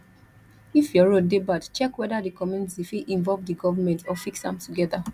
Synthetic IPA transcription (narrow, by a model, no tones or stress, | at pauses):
ifjɔɹodebadt͡ʃɛkwɛdadikɔmũnitifiʔĩɱvɔlvdiɡɔvamɛ̃ntɔfiksã̰mtuɡɛða